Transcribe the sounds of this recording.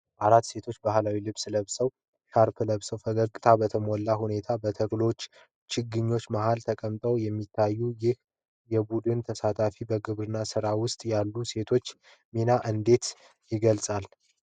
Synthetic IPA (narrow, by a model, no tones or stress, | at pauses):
ʔaɾat̪ːse̞t̪ʰo̞t͡ʃːbaɦlawilɨβsləβsəw | ʃaɾpʰləβsəwfəɡəkʼt̪ʰabət̪ʰəmolːahune̞t̪ʰabət̪ʰəklo̞t͡ʃː | t͡ʃʰɪɡːɨɲːo̞t͡ʃːmaɦalt̪ʰəkʼəmt̪ʼəwjɛmːit̪ʰːajːujɪh | jɛbud̪ɨnt̪ʰəsat̪ʰafibəɡɨβɾɨnːasɨɾawʊst̪ʼjalːuse̞t̪ʰo̞t͡ʃː | minaʔɨnd̪e̞t̪ | jɪɡəlsʼal